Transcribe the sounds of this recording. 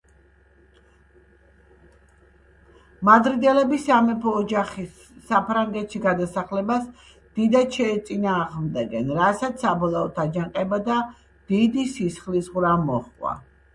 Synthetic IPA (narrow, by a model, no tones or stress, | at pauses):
mad̪ɾid̪ɛlɛbisamɛpʰɔːd͡ʒaχisː | apʰɾaŋɡɛt̪ʃiɡad̪asaχlɛbas | d̪̥id̪at̪ʃɛːt̪sʼinaːʁmd̪ɛɡɛnɾasat̪ssabɔlˠɔɔt̪ʰad͡ʒaŋqʼɛbad̪a | d̪̥id̪isisχlisʁɾamɔχkʼwa̰